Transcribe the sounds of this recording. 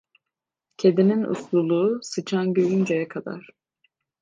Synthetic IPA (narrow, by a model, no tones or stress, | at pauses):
cʰed̪ininṵslˠulˠuːsɯt͡ʃʰanɟøjynd͡ʒejɛkʰad̪a̰ɾ̥